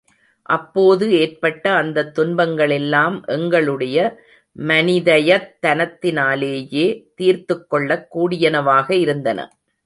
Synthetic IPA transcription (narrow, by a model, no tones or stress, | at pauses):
ʔɐpːoːðɯeːrpɐʈːɐːnd̪ɐt̪ːʊnbɐŋɡɐɭɛlːaːmʔɛŋɡɐɭɯɽɐjɐ | mɐnɪðɐjɐt̪ːɐnɐt̪ːɪnaːleːjeːt̪iːɾt̪ɯkːɔɭːɐkːuːɽɪjɐnɐʋaːɣɐɪɾɯnd̪ɐnɐ̰